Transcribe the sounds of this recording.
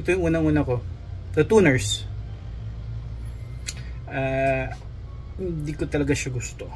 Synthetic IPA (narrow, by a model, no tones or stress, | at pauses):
ɪt̪ojʊŋʔuːnɐŋʔuːnɐko̞d̪ɐt̪uːnɛɹs | ʔaː | hɪnd̪iːkot̪ɐlɐɡaʃaɡʊst̪o̞